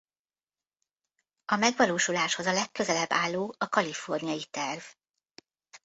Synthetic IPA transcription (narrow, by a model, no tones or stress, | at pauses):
ɒmɛɡʋɒloːʃulaːʃho̞zɒlɛkːø̞zɛlɛbːaːlːoːɒkɒlifo̞rnijɒjit̪ɛrv